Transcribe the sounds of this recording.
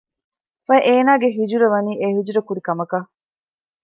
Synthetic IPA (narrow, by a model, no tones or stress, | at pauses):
fɐʔeːnaːɡeɦid͡ʒuɾɐʋɐniːʔeɦid͡ʒuɾɐkuɾikɐmɐkɐ